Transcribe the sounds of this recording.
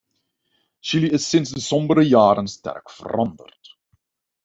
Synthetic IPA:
ʃiliɪsːɪnzdəsɔmbəɾəjaːɾənstɛ̰rkfə̰rɑndə̰rt

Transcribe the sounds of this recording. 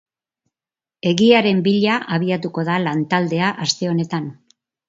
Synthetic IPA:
e̞ɣiaɾe̞mbiʎaʔaβ̞iat̪uko̞ðalant̪ald̪e̞aʔast̪e̞o̞ne̞t̪an

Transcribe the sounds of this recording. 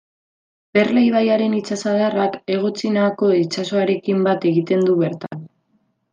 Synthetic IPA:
b̥e̞rlejβajaɾe̞nit͡sasaðarake̞ɣo̞t͡sinaako̞it͡ʃaso̞aɾe̞kimbat̪e̞ɣit̪e̞nd̪uβe̞ɾt̪an

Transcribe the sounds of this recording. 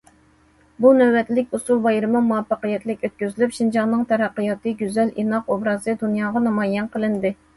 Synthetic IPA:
bunɛwːɛt̪lɪkʲusulˠbɑjɾɨmɨmuɑpːɑqəjɛt̪lɪkʲøt̪̚kʲyzylypʃind͡ʒɑŋnɨŋt̪ʰɛɾæqːəjɑt̪ɨɡʲyzɛlʔinɑqobɾɑːzɨd̪unjɑːʁɑnɑmɑjɛnqʰəlˠɨnd̪ɪ

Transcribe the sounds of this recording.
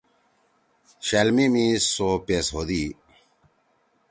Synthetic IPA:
ɕɐlmimisopesɦod̪i

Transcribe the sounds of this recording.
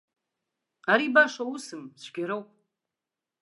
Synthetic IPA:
aɾibaʂawusɨmsɡʲaɾowpʼ

